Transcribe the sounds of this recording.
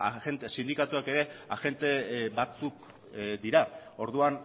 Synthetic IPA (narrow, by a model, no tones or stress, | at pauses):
ent̪esind̪ikat̪uake̞ɾe̞aʝe̞nt̪e̞βat͡suk | d̪iɾao̞ɾðuan